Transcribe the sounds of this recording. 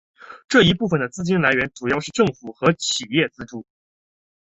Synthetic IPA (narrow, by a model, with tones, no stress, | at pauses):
ʈ͡ʂɤ˥˩i˧˥pu˥˩fə˨˩nd̪ə˩t͡sɹ̩˥˧t͡ɕi˥nla˧˥ɪɥɛ˧˥nʈ͡ʂu˨˩jɑ˥˧ʊʂɻ̩˥˧ʈ͡ʂɤ˥˩ŋfu˨˩xɤ˧˥t͡ɕʰi˨˩jɛ˥˩t͡sɹ̩˥˧ʈ͡ʂu˥˩